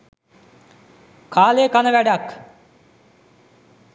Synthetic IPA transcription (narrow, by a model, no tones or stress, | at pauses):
kaːleːkanəʋæɖak